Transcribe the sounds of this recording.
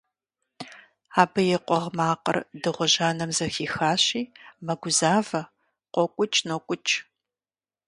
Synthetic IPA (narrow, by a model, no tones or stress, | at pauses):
aːbɐjɛqʷɔʁmaːqə̰rdɨʁʷʊʑaːnɐmzɐxiːxaːɕiːmɐɡʷʊzaːvɐ | qʷɔkʷʼʊt͡ʃʼnokʷʼʊt͡ʃʼ